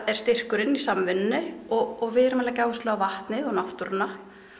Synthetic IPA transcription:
ɛɾ̥st̪ɪr̥kʏɾɪnːisamvɪnnːɪɔɣɔɣvɪðɾmɛlacaːwʏst̪lɛɣavaht̪nɪðɔɣnaft̪ʏɾɪnːa

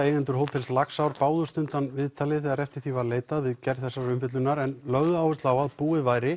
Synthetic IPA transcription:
ejnɪnt̪ʏɾ̥ɦowlt̪ʰɪlslaksawɾpaːwðʏst̪ʏnt̪anvɪðt̪ʰaːlɪθɛɣaɾɛft̪ɪ̥ɾ̥θivaɾleːjt̪aðvɪðcɛɾðθɛsːaɾʏmfɪt̪lʏnaɾɛnlœɣðʏaːwɪst̪lawaðpuːɪðvaːjɾɪ

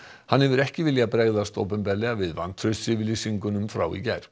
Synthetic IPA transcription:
hanhɛvʏɾɛhcɪvɪljapɾeːɣðast̪o̰wpɛmpɛɾlɛɣavɪðva̰nt̪ʰɾʏsɪvɪlisiŋkʏnʏmfɾa̰ːwḭcɛjɾ̥

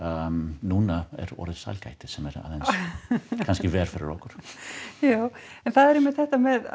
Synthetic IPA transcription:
nuːnaɛ̰ɾɔ̰ːɾɪðsa̰lka̰jht̪ɪ̥sɛmɛɾa̰ðɛns | kʰanscɪvɛːɾ̥fɪɾɪ̰ɾɔhkʏɾ̥jaːwɛnθaðɛɾemːɪt̪θɛht̪amɛð

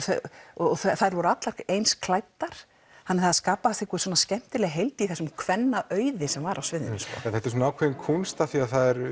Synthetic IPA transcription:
θɔɔθaθajɾvɔɾʏat̪laɾejnskʰlaːjt̪ːaɾ̥ | hanːɛɾθaskaːpaɛsθɪkʏ̥sɔːnascɛm̥t̪ɪɾlɛɣɦejlt̪ɪiθɛsːʏmkʰvɛnːaʔœːɥðɪsɛmvaɾawsvɪðɪʏnmskɔ̰ːɛθɛht̪ɾ̥s̬unaːwkʰvɛðɪnkʰunst̪aθiaθaðɛɾ

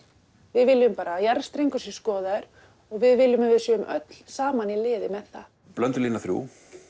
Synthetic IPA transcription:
vɪðvɪlːʏmpaːɾajaɾst̪ɾeŋkʏ̥si̥skɔːðaʏɾ̥ | ɔɣvɪðvɪlːʏmvɪðsjœːʏmʔœ̰t̪l̥saːmanilɪːðɪmɛðθa̰ | plœnt̪ʏliːnaθɾjṵː

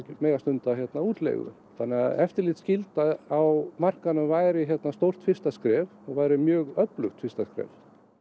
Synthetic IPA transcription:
ɪmeːjɣast̪ʏnt̪açjɛt̪nauːt̪lḛjɣʏ̰ | θanːɛaɛft̪ɪɾliːt̪scɪlt̪aawmar̥kanʏmvajɾɪçjɛt̪nast̪owr̥t̪fɪst̪askɾɛːvɔɣvajɾɪmjœːɣœplʏxt̪fɪrst̪askɾɛ̰v

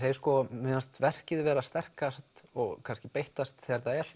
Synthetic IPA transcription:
θeːjɪskɔmɪnast̪vɛr̥cɪðvɛːɾast̪ɛr̥kast̪ɔɣkʰanscɪpejht̪ast̪θɛɾt̪aɛl̥

